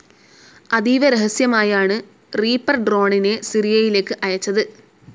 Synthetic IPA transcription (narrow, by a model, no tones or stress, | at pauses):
ɐðiːʋɐɾeɦɐsjɐmaːjaːɳɨ | riːpːɐrɖro̞ːɳine̞siɾijɐjile̞ːkːɨʔɐjɐt͡ɕːɐðɨ